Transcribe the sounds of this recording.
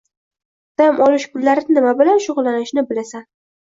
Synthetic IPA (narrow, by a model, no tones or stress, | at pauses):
d̪̥amʔɒlɪʃpʊlːaɾɪnɪmabɪlanʃʊʁlˠːanɪʃnɪbɪlasan